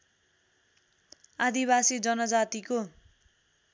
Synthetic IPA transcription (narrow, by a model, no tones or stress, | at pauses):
ad̪iβasid͡zʌnʌd͡zat̪iko